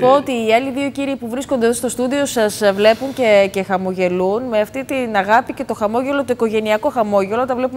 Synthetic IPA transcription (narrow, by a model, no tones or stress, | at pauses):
poot̪iːɐliðio̞ciɾiːpuvɾiskond̪eðost̪o̞st̪uðio̞sɐsvle̞puɲce̞ce̞xɐmo̞ʝe̞lunme̞ɐft̪it̪inɐɣɐpice̞t̪o̞xɐmo̞ʝe̞lot̪oiko̞ʝe̞niɐko̞xɐmo̞ʝe̞lot̪ɐvle̞pum